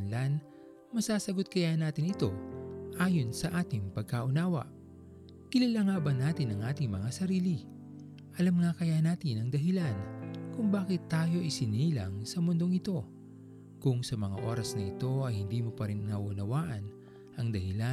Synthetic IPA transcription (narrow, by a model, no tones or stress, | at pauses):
nlan | mɐsaːsɐɡo̞t̪̚kɐjanaːt̪ɪŋɪt̪o̞ʔaːjo̞nsɐʔaːt̪ɪŋpɐɡ̚kaʔʊnaːwɐ̰ʔ | kɪlɐlaŋaːbɐnːaːt̪ɪnɐŋʔaːt̪ɪŋmɐŋasɐɾiːli | ʔɐlɐmŋakɐjanaːt̪ɪnɐŋd̪ɐɦɪlankʊŋbaːkɪt̪ːaːjo̞ʔɪsɪniːlɐ̰ŋsɐmʊnd̪o̞ŋɪt̪o̞ | kʊŋsɐmɐŋa̰ʔo̞ːɾɐsnɐʔɪt̪o̞ɐjhɪnd̪iːmo̞pɐɾinnɐʔuʊnɐwaːʔɐn | ʔɐŋd̪ɐhɪla